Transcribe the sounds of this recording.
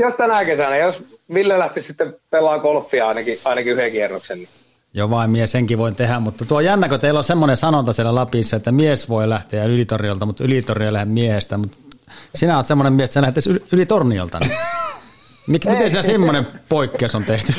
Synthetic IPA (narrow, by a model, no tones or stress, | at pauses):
jost̪ænækesænæjosʋilːelæht̪issit̪ːepelːˑɑːkolfːiɑɑˑinɑkiɑˑinɑkiyhekierːoksenni | joʋɑˑimmieseŋkiʋoˑint̪ehæmmut̪ːɑt̪uojænːækøt̪eˑilːosemːonesɑnont̪ɑsielælɑpisːɑet̪ːæmiesʋoˑelæht̪eˑjnylit̪ornijolt̪ɑmut̪ylit̪ornijolæhemmiehest̪æmut̪sinæoːt̪semːonemmiest̪selæhet̪ːˑæsylylit̪ornio̰lt̪ɑ̰ni | mikmit̪ensiːnæsimːonempoˑikːeˑusont̪eht̪y